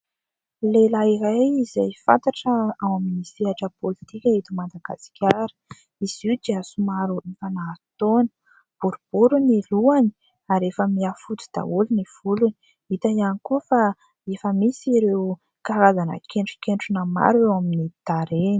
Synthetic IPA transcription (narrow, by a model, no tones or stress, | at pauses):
lelaiɾajizajfa̰nt̪aʈ͡ʂəawaminisiaʈ͡ʂəpolit̪ikʲaet̪imand̪aɡa̰si̥kʲʰaɾə̥ | iz̥iud̪iasumaɾuʔifanaɾut̪onə̥ | b̥uɾub̥uɾuniluani̥ | aɾefəmiafut̪u̥d̪̥a̰uluniv̥uluni | it̪ajanikuəfa | efəmisiɾew | kaɾazanə̰kʰeɳʈ͡ʂu̥keɳʈ͡ʂunəma̰ɾewaminid̪̥aɾeni̥